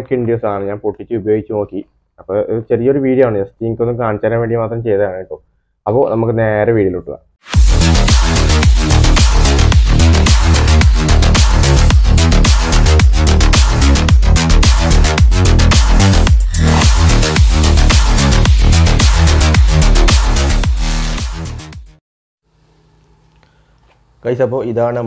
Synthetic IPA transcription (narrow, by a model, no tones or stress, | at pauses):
kːiɳɖijoːsaːɳɨɲaːnpoʈːit͡ɕːɨubɐjo̞ːɡit͡ɕːunoːkːi | ɐpːoːʔiɾut͡ɕerijɐoɾuʋiːɽijaːɳujɐst̪iiŋkʲːonːɨkaːɳit͡ɕːaːɾɐmʋeːɳɖimaːt̪rɐmt͡ɕe̞jt̪ɐðaːɳːipːoː | ɐpːo̰ːnɐmukːɨne̞ːɾɐʋiːɽiiluʈːuʋa̰ | kɐjsɐpːoːiðaːɳɨ